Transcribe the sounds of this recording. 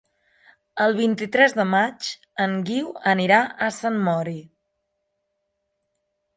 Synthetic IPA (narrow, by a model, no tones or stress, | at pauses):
əlˠβ̞int̪it̪ɾɛzðəmat͡ʃ | əŋɡiwəniɾaʔəsanmɔɾi